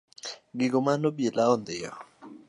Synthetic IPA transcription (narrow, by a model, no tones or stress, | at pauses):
ɡiɡomanobjelaond̪eja